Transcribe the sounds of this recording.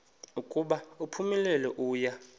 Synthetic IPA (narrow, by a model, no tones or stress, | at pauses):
ukʼuɓaupʰumɛlɛlɔʔuːja